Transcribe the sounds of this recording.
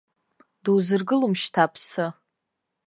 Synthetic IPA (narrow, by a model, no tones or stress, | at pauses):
duwzɨrɡɨlumʃtʰapʰsɨ